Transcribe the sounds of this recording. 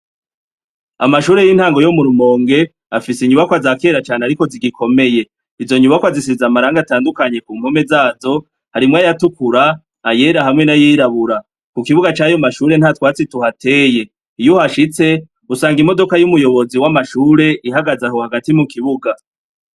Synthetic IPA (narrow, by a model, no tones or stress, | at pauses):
a̰maʃuːɾe̞jinhaːŋɡo̞jomuɾumo̞ːŋɡe̞ | afisiɲuβakoazake̞ːɾat͡ʃaːneaɾiko̞ziɡikʰo̞me̞je̞ | izo̞ɲuβakoazisizamaɾaːŋɡataːndukaɲe̞kuːm̥home̞zaːzo̞ | haɾimŋajatukuɾaː | je̞ɾaɦamŋe̞najiɾaβuɾa | kukiβuɡat͡ʃaːjomaʃuːɾe̞n̥hatwaːt͡situhate̞ːje̞ | ijuhaʃit͡se̞ | usaːŋɡimo̞do̞kajumujo̞βo̞ziwamaʃuːɾe̞ʔiɦaɡazaɦohaɡatimukiβuɡa